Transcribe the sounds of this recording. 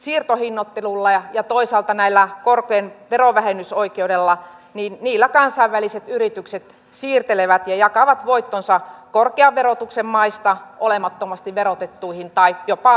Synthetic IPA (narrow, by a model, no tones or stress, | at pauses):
siːrt̪ohinːot̪ːelulːɑɑjɑt̪oisɑːlt̪ɑnæilːækorkeːnʋeroʋæhenysoikeudelːɑniːnniːlːækɑnsɑiʋʋæliset̪yrit̪ykset̪ | siːrt̪eleʋæt̪jɑjɑkɑʋɑt̪ʋoit̪ːonsɑkorkeɑʋʋerot̪uksemmɑist̪ɑʔolemɑt̪ːomɑst̪iʋʋeɾot̪et̪ːuihint̪ɑipjopɑ